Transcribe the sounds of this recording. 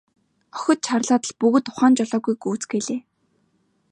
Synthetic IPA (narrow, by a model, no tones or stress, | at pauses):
ɔ̥xʲɞ̆t̪̚t͡ɕʰarɮaːt̪ə̆ɮpuɣɵ̆t̪ʊχaːnt͡ɕɔɮɔːɣujɡuːt͡sɡeɮeː